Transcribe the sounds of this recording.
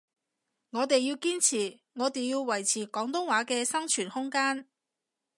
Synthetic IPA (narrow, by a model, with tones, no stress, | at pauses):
ŋɔː˨˧t̪e˨jːiː˧wkiː˥nt͡sʰiː˨˩ | ŋɔː˨˧t̪e˨jjiː˧wwɐ˨˩jt͡sʰiː˨˩kɔː˨˥ŋt̪ʊ˥ŋwaː˨˥kɛː˧sɐ˥ŋt͡ʃʰyː˨˩nhʊ˥ŋkaː˥n